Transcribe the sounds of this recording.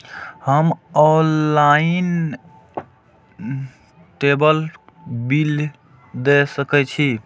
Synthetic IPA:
həmɔnlain | ʈebəl | bil | d̪esəkɛt͡ʃʰi

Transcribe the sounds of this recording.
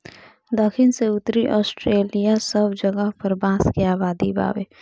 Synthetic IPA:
d̪əkʰɪnseʊt̪ɾiʔɔːsʈɾeːlijasəbʱd͡ʒəɡəɦpɐɾbãːskeaːbaːd̪iba̰ːʋḛː

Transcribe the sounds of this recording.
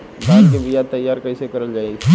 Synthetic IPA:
bʱaːd̪kebʱɪjat̪ːɐjːaːɾkɐisekɐɾəld͡ʒaːeɡ

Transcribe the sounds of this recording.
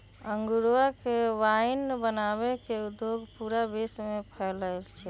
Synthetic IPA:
əŋɡuɾakeʋainbənaβekeud̪joɡpuɾabesmepʰɛləlt͡ʃʰɛ

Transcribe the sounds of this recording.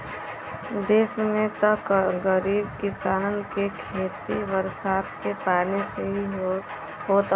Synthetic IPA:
d̪eːsmẽt̪əkɡəɾiːb̚kɪsaːnənkekʰeːt̪iʋəɾsaːt̪kepaːɾneseɦi | ɦoːt̪

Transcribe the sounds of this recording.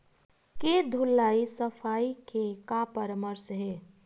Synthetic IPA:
ked̪ʱulːaisəpʰaikekapəɾəməɾsɦe

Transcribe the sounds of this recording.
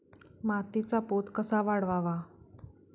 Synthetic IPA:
mat̪it͡sapot̪kəsaʋaɽʋaʋa

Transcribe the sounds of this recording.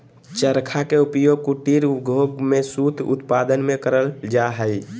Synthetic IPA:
t͡ʃəɾkʰakeupjoɡ̚kuʈiɾuɡʱoɡmesut̪ʰʊ̰t̪pad̪ənmẽkəɾəld͡ʒaɦəj

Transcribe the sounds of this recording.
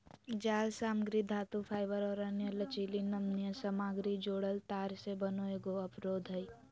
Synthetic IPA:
d͡ʒaːlsaːmɡɾid̪ʱaːt̪upʰaːɪbəɾɔːɾɐnjələt͡ʃiːlinɐmnijəsɐmaːɡɾid͡ʒoːɽəlt̪aːɾsebənoːeɡoɐpɾoːd̪ʱəi

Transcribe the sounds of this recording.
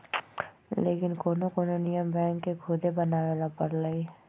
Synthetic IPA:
leːkɪnkoːnokoːnonijəmbɛ̃ːŋkːekʰud̪ʱebɐnaːɾɛlapɐɽlai

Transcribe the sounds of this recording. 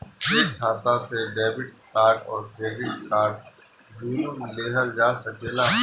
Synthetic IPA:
eːkʰaːt̪aseɖeːbɪʈ̚kaːɾʈɔːɾɡɾeːɡɪʈkaːɾʈ | d̪uːnomleːɦəld͡ʒaːsɐkeːla

